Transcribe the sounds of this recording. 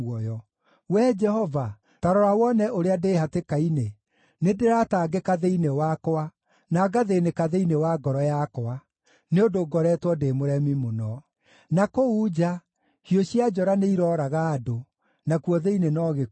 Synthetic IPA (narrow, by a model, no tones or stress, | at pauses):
ɔjɔ | wɛd͡ʒɛhɔva | taɾɔɾawɔnɛʔoɾeadehatekaine | nedeɾataːɡekaðeinewakɔa | naːɡaðenekaðeinewaɡɔɾɔjakɔa | neodoɡɔɾɛtwɔdemoɾɛmimonɔ | nakoud͡ʒa | hioɕiad͡ʒɔɾaneiɾɔɾaɣaːdo | nakuɔðeinenɔɣe